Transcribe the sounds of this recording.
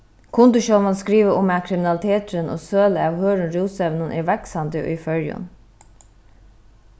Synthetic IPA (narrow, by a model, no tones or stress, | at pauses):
kʰʊnt̪ʊʃɔlmɑnskɾiːʋəʔʊmæːkʰɾɪmɪnɑlɪt̪ʰeːt̪ɾənʔo̰ːsøːləɑːʋhøːɾənɾuːsɛʋnʊnʔeːʋɛksɑnd̪əo̰ʔiːfœɾjʊ̰n